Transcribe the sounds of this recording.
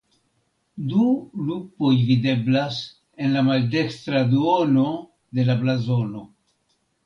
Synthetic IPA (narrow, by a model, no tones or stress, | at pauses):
dulupo̞jvide̞blas | e̞nlamalde̞kstɾaduo̞no̞ | de̞lablazo̞no̞